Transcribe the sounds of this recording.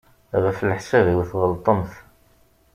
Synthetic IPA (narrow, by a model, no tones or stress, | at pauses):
ʁəflħsæviwθʁəlt̪ˤəmθ